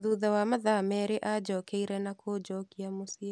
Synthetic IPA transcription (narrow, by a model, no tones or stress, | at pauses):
ðuðawamaðamɛɾeʔad͡ʒɔkeiɾɛnakʰod͡ʒɔkiamosia